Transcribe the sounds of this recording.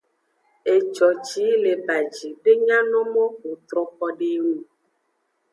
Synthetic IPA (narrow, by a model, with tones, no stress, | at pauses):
e˨t͡ʃɔ˨t͡ʃi˨˦le˨ba˨d͡ʒi˨ɖe˦ɲã˦nɔ̃˦mɔ̃˦ɸo˨t̪ɾɔ̃˨pɔ˦ɖe˦ŋu˨